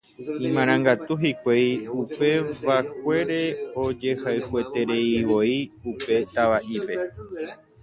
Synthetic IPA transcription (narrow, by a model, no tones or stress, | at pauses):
ĩmãɾ̃ãŋɡat̪uɦikʷejupe̞ʋak̚ʷe̞ɾe̞od͡ʒe̞haɨhue̞t̪e̞ɾe̞iʋo̞iupe̞t̪aʋaʔipe̞